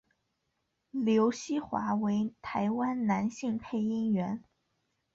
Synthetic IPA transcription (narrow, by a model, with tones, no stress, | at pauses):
ljo˧˥ʊɕi˥xwa̰˧˥we˧˥ɪt̪ʰa˧˥ɪwa˥nna˧˥nɕi˥˩ŋpʰe˥˩ɪi˥ŋɥɛ˧˥n